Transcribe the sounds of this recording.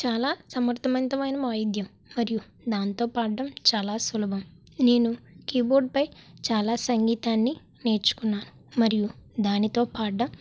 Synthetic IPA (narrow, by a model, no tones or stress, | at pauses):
t͡ʃaːlaːsɐmɐɾt̪ʰɐmɐnt̪ɐmɐjnɐʋaːjɐd̪jɐm | mɐɾiju | d̪aːnt̪o̞ːpaːɖːɐmt͡ʃaːlaːsulɐbʱɐm | ne̞ːnukiːboːɾɖ̚pɐjt͡ʃaːlaːsɐŋɡiːt̪aːnːi | ne̞ːɾt͡ʃu̥kunːaːnu | mɐɾijud̪aːnit̪o̞ːpaːɖːɐm